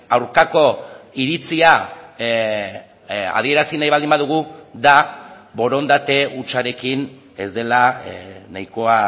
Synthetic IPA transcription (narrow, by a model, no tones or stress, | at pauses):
awɾkako̞iɾit͡sia | a̰ð̞ie̞ɾasinajβald̪imbaðuɣ̞uðaβo̞ɾo̞nd̪at̪e̞ut͡ʃaɾe̞kin | e̞zd̪e̞lanajko̞a